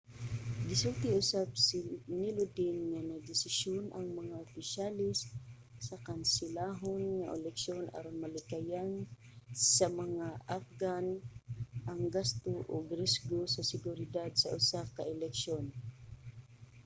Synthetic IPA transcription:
ɡɪsʊlt̪ɪʊsab̚snɪlʊd̪ɪnŋanɐd̪ɪsɪʃjonʔɐŋmɐŋaʔʊpɪʃalɪs | sɐkansɪlaːɦonŋaʔɛlɛkʃjonʔa̰ɾʊnmalɪkajan | sɐmɐŋaʔafɡan | ʔɐŋɡast̪oʔoɡɾɛsɡosɐsɪɡʊɾɪd̪ad̪̚sɐ̰ʔʊsakaʔɛlɛkʃon

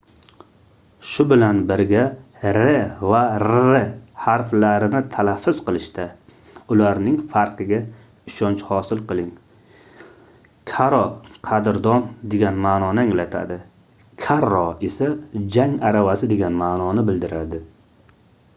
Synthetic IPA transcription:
ʃʊbɪlanbɪɾɡʲa | ɾevaɾehaɾflaɾɪnɪt̪ʰalafːʊz̥qɨlˠɪʃt̪ʰa | ʊlaɾnɪŋfaɾqʰɨɡʲa | ɪʃɒnt͡ʃhɒsɪlˠqɨlˠɪŋ | kʰaɾɒqʰɑd̪ɪɾd̪ɒnd̪e̞ɡʲanmaːnɒnɪaŋlat̪ʰa̰d̪ɪ | kʲʰaɾɒe̞sad͡ʒaŋaɾavasɪd̪e̞ɡʲanmaːnɒnɪbɪld̪ɪɾad̪ɪ

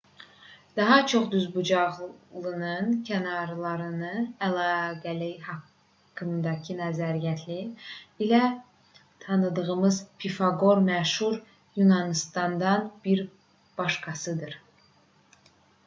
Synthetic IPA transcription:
d̪̥ɑɦɑt͡ʃʰo̞χd̪yzbud͡ʒɑʁlˠɯnɯncʰænɑɾlˠɑɾɯnɯnælˠɑːɡælijhɑkʰː | ɯmd̪ɑcʰinæzæɾijæt̪ʰliːlæ | t̪ʰɑnɯd̪ɯʁɯmɯzpʰifɑɡo̞ɾmæʃhuɾ | junɑnist̪ɑnd̪ɑnb̥iɾ | b̥ɑʃkʰɑsɯd̪ɯɾ

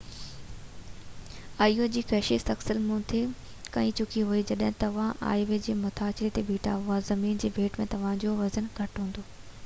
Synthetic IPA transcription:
aːijod͡ʑiːkɐɦʃist̪ɐksəlmũt̪ʰe | kɐ̃ĩt͡ɕʊkʰiɦuid͡ʑɐɗɦɪ̃t̪ɐʋ̤ãʔa̰ːɪʋed͡ʑeːmʊt̪ʰaːt͡ɕɪɾet̪ebʱiːʈʰa̰ːɦʊazɐmiːnd͡ʑeːʋʱeːʈmẽt̪ɐʋ̤ãd͡ʑoʋɐzənɡʱɐʈɦũːn̆d̪oː

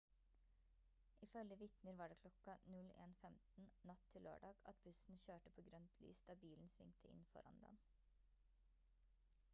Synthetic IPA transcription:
ʔɪfœljəʋɪt̪nəɾʋɑːɖeːkʰlɔkɑnʉlḛːnfɛmt̪n̩nɑt̪ʰːɪlːø̰ːɖɑːɡ̥ɑt̪̚bʉsn̩çøːʈəpʰoːɡɾœnt̪ʰly̰ːsd̪̥ɑːbiːln̩sʋɪ̰ŋt̪ʰəɪ̰nfɔ̰ɾɑ̰nd̪ɛ̰n

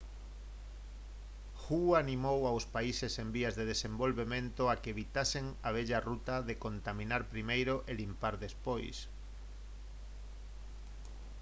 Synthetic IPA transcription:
xuanimowawspaisesembiazðeð̞esembolβemẽnt̪oakeβ̞it̪aseŋaβ̞eʎarut̪aðekont̪amĩnaɾpɾimejɾoʔelimpaɾðespojs

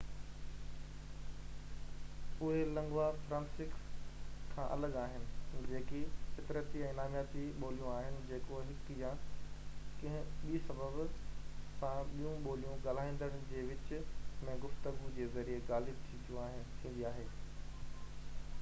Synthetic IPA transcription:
ʊɦelɐ̃ŋɡwafɾãːnsɪkskʰãːʔɐ̰ləɠaːɦɪnɪ̆d͡ʑeːkifɪt̪ɪɾət̪iɛ̃ːnaːmjaːt̪iɓoːlijũaːɦɪnɪ̆d͡ʑeːkoɦɪkjãː | kɐ̃ɦɪ̃ɓiːsɐbʱəb | sãɓijũɓoːlijũɠaːl̤aːĩːnd̪əɽ̃d͡ʑeːʋɪt͡ɕɪ̆mɛ̃ɡʊft̪əɡud͡ʑeːzɐɾieɡaːlɪb̚t̪ʰĩd̪jũt̪ʰĩːn̆d̪iaːɦeː

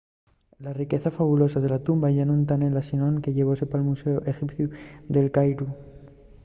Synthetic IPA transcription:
larike̞θafaβulo̞saðe̞lat̪umbaʝanunt̪anenlasinoŋke̞ʝe̞β̞o̞se̞palmuse̞oʔe̞xipθjud̪e̞lkajɾu

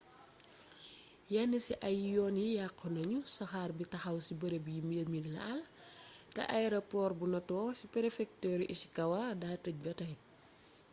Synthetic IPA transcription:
janːisiʔɐjjɔːnjijaqːənɐɲusɐxaːrbitɐxɐwsibɐɾebijimilminlɐ̰ɐltɐ̰ʔaɛɾopɔːrbunɐtɔːsipɛɾefɛk̚tɛːɾʔisi̥kɐwadaːtɐc̚bɐtɐj

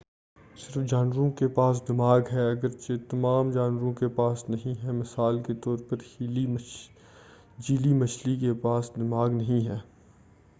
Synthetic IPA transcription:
sɪɾfd͡ʒaːnʋɾõkepaːs̬d̪ɪmaːɡɦɛɐɡəɾt͡ʃet̪ɐmaːmd͡ʒaːnwəɾõkepaːsnɐɦĩɦɛmɪsaːlket̪ɔːɾpɐɾhili | d͡ʒiːlimɐt͡ʃlikepaːsd̪ɪmaːɡnɐɦĩɦɛː

